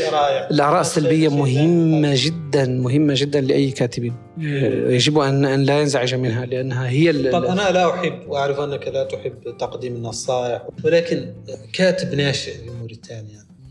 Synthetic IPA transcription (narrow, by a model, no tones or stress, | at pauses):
ɾˤɑːjʔɪlʔɑʕɾˤɑːʔɪsːalbɪjːamʊɦɪmːaʒɪd̪ːanmʊɦɪmːaʒɪd̪ːanlɪʔajːkaːt̪ɪbiːn | jad͡ʒɪbuʔanʔanlajanzaʕɪʒamɪnɦalɪʔanːɦaɦɪjːalˤʔanalaʔʊħɪbːwʔaʕɾɪfʔanːakaðat̪ʊħɪbːt̪ɑqd̪iːmɪnːɑsˤɑːʔɪħwɪlaːkɪnkaːt̪ɪbnaːʃɪʔlɪmʊɾit̪ʰaːnjaʕni